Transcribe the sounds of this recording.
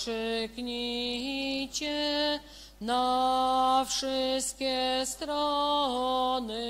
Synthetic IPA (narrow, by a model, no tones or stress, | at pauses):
ʂɨkɲiɦit͡ɕɛ | na | fʂɪst̪̚kʲɛst̪ɾɔ | nɨ